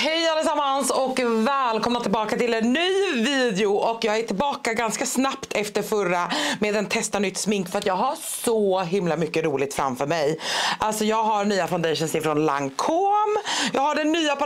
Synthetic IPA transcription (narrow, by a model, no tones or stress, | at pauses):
hɛjalːəsamːansɔkvɛːlkʰɔmnat̪ʰɪlbɑːkat̪ɪlɛnːyːviːd̪ɛʊʔɔkjɑːɡæʈʰɪlbɑːkaɡanskasnapt̪ʰɛft̪əɾfœɾameːd̪ɛnt̪ʰɛst̪anʏt̪ːsmɪŋkfœɾat̪jɑːɡɦasɔɦɪmlamʏkːəɾuːlɪɡ̚t̪fɾa̰mfœɾmɛjʔalt̪sɔjɑːɡɦaɾɳyːafaʊnd̪ɛjʃənsɪfɾɔnla̰ŋkʰoːmjɑːɡhaɖɛnːyːap